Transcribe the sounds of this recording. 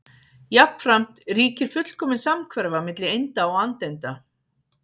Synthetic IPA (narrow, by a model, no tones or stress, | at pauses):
japn̥fɾam̥t̪riːcɪɾ̥fʏt̪l̥kʰɔːmɪnsamkʰvɛɾvamɪt̪lɪejnt̪aɔɣant̪ejnt̪a